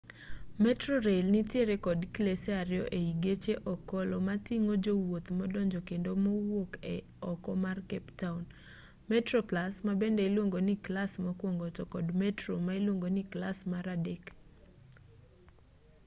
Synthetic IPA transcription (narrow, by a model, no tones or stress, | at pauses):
mɛtrɔɾelnɪtjeɾekɔdklesɛaɾɪjɔ̰ʔeiɡet͡ʃeʔɔkɔlɔmatiŋod͡ʒowot̪mɔdɔɲd͡ʒɔkendomɔwokɛ | ɔkɔmarkɛptaun | mɛtɾɔplasmabendɛilwoŋɡonɪklasmakwoŋɡotɔkɔdmɛtɾomailwoŋɡoniklasmaɾadek